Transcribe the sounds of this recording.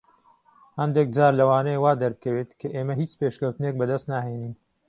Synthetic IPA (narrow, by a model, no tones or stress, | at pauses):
hɐnd̪ek̚d͡ʒaːɾlɐwaːnejewaːd̪ɐɾbɨkʰɐweːt̪kʰɐʔeːmɐɦiːt͡ʃpeːʃkɐwt̪ɨnek̚bɐd̪ɐst̪naːɦeːniːn